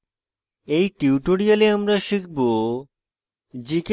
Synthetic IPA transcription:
ejʈiuʈoɾijaleamɾaʃik̚ʰbo | d͡ʑik

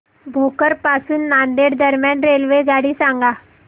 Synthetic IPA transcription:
bʱokəɾpasuːnːand̪eɽd̪əɾmjanɾelʋed͡zaɽiːsãŋɡa

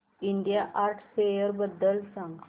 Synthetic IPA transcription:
iɳɖijaʔaɾʈʰsejəɾbəd̪ːəlsãŋɡ

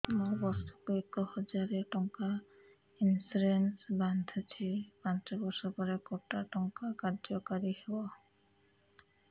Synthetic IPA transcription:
mobɔɾsɔkuekɔhɔd͡ʒaɾeʈɔŋka | insuɾensband̪ʱɔt͡ʃʰipãntɔbɔɾsɔpɔɾekɔʈaʈɔŋkakaɾd͡ʒɔkaɾihebɔ

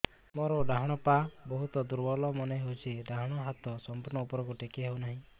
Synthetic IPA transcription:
mɔɾɔɖaɦɔɽ̃ɔpabɔɦut̪ɔd̪uɾbɔlɔmɔneɦewt͡ʃʰiɖaɦɔɽ̃ɔɦat̪ɔsɔmpuɾnɔupɔɾɔkuʈekeɦewnaɦĩ

